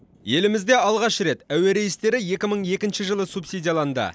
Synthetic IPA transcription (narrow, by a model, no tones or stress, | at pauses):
je̞lɪmɪzd̪e̞ɑlˠʁɑʃɾe̞t̪æwe̞ɾe̞jɪst̪e̞ɾɪje̞kʲɪməɴje̞kʲɪnʃɪʒəlˠəsupsid̪ʲijalˠɑnd̪ə̰